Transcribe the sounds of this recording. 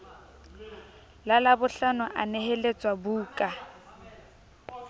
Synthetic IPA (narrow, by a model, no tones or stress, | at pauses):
lalabʊɬanʊʔa̰nehelet͡sʼwabuːkʼa